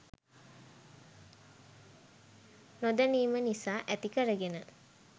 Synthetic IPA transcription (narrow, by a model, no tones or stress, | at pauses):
nod̪əniːmənisaːʔæt̪ikəɾəɡenə